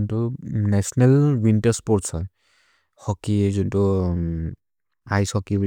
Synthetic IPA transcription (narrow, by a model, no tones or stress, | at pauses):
ntunɛsɔnɛlwintɛspɔɹtsɔj | hɔkizuntu | ajsɔkib